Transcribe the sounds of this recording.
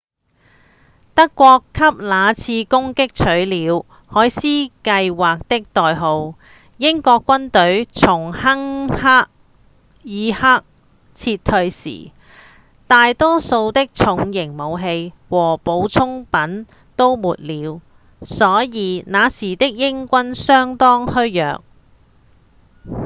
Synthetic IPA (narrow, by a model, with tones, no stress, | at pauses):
t̪ɐ˥kːʷɔː˧kʰːɐ˥p̚laː˨˧t͡sʰiː˧kʊ˥ŋkɪ˥k̚t͡sʰɵ˨˥ɥliː˨˧w | hɔː˨˥jsiː˥kɐ˧jwaː˨k̚t̪ɪ˥k̚t̪ɔː˨jɦo˨˧w | jɪ˥ŋkɔː˧kːʷɐ˥nt̪ɵ˨˥ɥt͡sʰʊ˨˩ŋhɐ˥ŋhaː˥k̚ | jiː˨˧haː˥k̚ | t͡sʰiː˧tt̪ʰːɵ˧ɥsḭː˨˩ | t̪aː˨jt̪ɔː˥so˧wt̪ɪ˥k̚t͡sʰʊ˨˧˥ŋjɪ˨˩ŋmo˨˧wɦe˧j | wɔː˨˩po˨˧˥wt͡sʰʊ˥ŋpɐ˨˥n | t̪o˥wmuː˨t̚liː˨˧w | sɔː˨˥jiː˨˧naː˨˧siː˨˩t̪ɪ˥k̚jɪ˥ŋkʷɐ˥nsœː˥ŋt̪ɔː˥ŋhɵ˥ɥjœ̰ː˨k̚